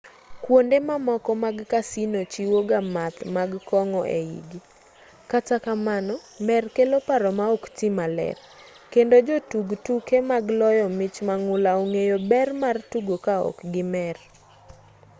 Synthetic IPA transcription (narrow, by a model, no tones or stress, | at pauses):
kwondemamɔkɔmaɡkasinot͡ʃiwoɡamat̪maɡkɔŋɔʔeḭɡi | katakamanɔ | mɛrkelopaɾɔmaɔktimalɛ̰r | kendod͡ʒotuɡtukemaɡlɔjɔmɪt͡ʃmaŋʊlaoŋejobɛrmartuɡokaɔ̰kɡɪmɛr